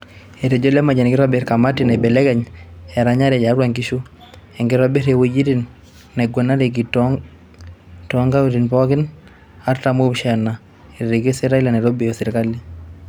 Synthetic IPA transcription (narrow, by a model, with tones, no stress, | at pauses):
e˨ɾe˨d͡ʒo˦lɛ˦ma˨d͡ʒɛ˨nkɪ˦ɾɔ˦be˨ɾka˨ma˦ti˨nɛ˨bɛ˨lɛ˦kɛ˨ɲɛ˨ɾaɲa˦ɾɛ˨ja˨˦ɾwa˨ŋki˦ʃu˦ | ɛ˨ŋɡɪ˦ɾɔ˦be˦ɾewo˦d͡ʒi˦ɾi˦nː | ɛ˨ɡwo˨na˦ɾe˨ɡ̬i˨t | tɔŋɡa˦u˦ɾi˨npɔ˦kɪ˦n | a˦ɾta˨mo˦pʃɛ˨na˨ | e˨ɾe˨ɾe˨ɡi˦sɛ˦ɾa˦i˦la˨nɛ˨ɾo˦be˨jo˨sɪ˨ɾka˦li˦